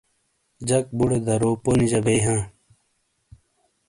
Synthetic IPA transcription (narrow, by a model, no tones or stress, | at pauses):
d͡ʑɐk̚buɽed̪ɐɾoːponid͡ʑɐbɐjɦãː